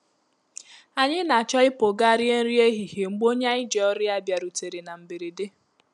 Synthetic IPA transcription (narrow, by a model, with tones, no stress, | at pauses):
a˨ɲɪ˦na˨t͡ʃɔ˦ɪ˦po˨ɡa˦ɾɪ˦e˦n̩˦ɾi˦e˦ɦi˨he˨ŋ͡m̩˨ɡ͡bo˦ɲa˦ɪ˦d͡ʒe˨ɔ˦ɾɪ˦a˦bja˨ɾu˨te˨ɾe˨na˨m̩˨be˨ɾi˨de˦